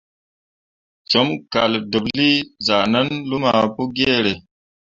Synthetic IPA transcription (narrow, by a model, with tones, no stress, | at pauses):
t͡ʃo˦mka˨ldu˨bli˦za˨nə˦nlu˦ma˨pu˦ɡe˦ɾe˨